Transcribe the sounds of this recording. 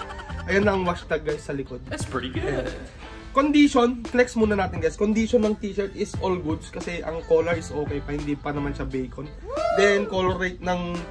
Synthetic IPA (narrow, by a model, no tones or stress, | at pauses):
ʔɐjanːɐʔɐŋwaʃt̪ɐɡɐʔɪsɐlɪkod̪̚ɪtspɹiɾiɡʊɛ | kond̪iʃo̞nklɛksmuːnɐnaːt̪ɪnɡɛskond̪iːʃonːɐŋt̪iːʃɛɹt̪ɪsʔolɡud̪skɐsɛʔɐŋkoːlɐɹɪsʔo̞ːkɛjpɐhɪnd̪iːpɐnɐmanʃɐbɛjkʰon | d̪ɛnkoːloɾejt̪̚nɐŋ